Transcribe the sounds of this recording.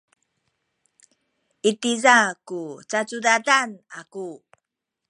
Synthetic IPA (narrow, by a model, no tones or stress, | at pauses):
ʔitizakut͡sat͡sudadanaku